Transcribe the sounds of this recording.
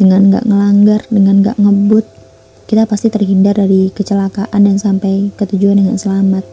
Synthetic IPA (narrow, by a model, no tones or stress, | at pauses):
d̥əŋanŋɡa̰ʔŋəlaŋɡardəŋanŋɡa̰ʔŋəbʊt̪̚ | kit̪apast̪it̪ərɦindardaɾikət͡ʃəlakaʔandansampajkət̪ud͡ʒuandəŋansəlamat̪̚